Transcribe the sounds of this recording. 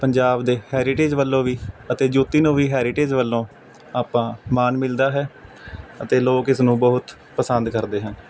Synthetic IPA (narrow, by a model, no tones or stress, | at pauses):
pəɲd͡ʒaːbd̪eːhɛːɾɪʈeːd͡ʒʋəlːõːʋiːət̪eːd͡ʒuːt̪iːnũːʋiːɦɛːɾɪʈeːd͡ʒʋəlːõː | aːpãːmaːnmɪld̪aːɦɛː | ət̪eːloːkɪsnũːbəɦʊt̪ | pəsənd̪kəɾd̪eːɦən